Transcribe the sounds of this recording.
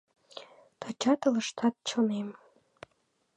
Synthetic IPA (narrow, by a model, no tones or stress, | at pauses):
t̪ʰɑt͡ɕɑt̪ɤ̆lɤ̆ʃt̪ʰɑt̪̚t͡ɕʰŏnem